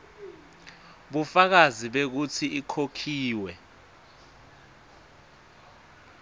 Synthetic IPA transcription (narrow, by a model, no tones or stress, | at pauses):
ɓufak̬aziɓek̬ut͡sʰiikʰokʰiːwɛ